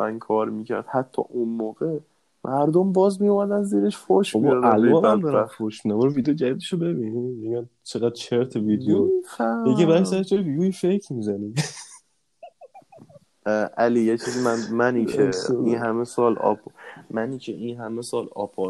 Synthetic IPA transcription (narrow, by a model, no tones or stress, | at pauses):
ænkʰɒːɾmiːcʰæ̰ɾd̪hæt̪ʰːɒ̰ːʔunmoːɣe | mʔæɾd̪ombɒːzbijomæd̪ænziːɾeʃfoɾʃobɔælɒːnænd̪ɒːɾnfoɾʃmid̪æmbɔɾovid̪ejod͡ʒæd̪id̪eʃobe̞binimeɟænt͡ʃʰeɣæd̪̥̚t͡ʃʰeɾt̪ʰeviːd̪eoeɡebæsæɾeʃd͡ʒɒɾevidjoifekʰmiːzæni | ʔælijet͡ʃʰizimænmænicʰeinɦæmesɒːlɒ̰pʰmæniːcʰeʔinɦæmesɒːlɒ̰ːpʰɔ